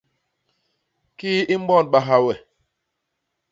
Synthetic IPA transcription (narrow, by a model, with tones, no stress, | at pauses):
ki˦i˦m̩˦bɔ˦˨nɓa˨ɦa˨wɛ˨